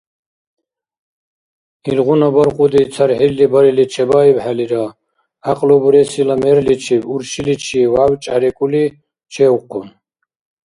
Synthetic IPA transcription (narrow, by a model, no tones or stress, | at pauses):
ilʁunabaɾqʼud̪it͡sʰaɾħillibaɾilit͡ʃʰɛbaːibħaliɾa | aqʼlɔbuɾɛsilamɛɾlit͡ʃʰibuɾʃilit͡ʃʰiwawt͡ʃʼaɾɛkʼuli | t͡ʃʰɛwqʰɔn